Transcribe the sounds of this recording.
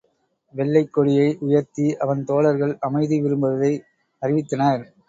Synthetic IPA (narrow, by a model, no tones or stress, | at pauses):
ʋɛɭːɐɪkːɔɽɪjɐɪʔʊjɐɾt̪iʔɐʋɐnt̪oːlɐɾɣɐɭɐmɐɪðɯʋɪɾɯmbɐʋɐðɐɪ | ɐrɪʋɪt̪ːɐnɐɾ